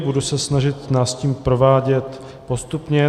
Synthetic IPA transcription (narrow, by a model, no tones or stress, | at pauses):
budusɛsnaʒɪt̪naːsciːmpɾo̞vaːɟɛt̪ | po̞st̪upɲɛ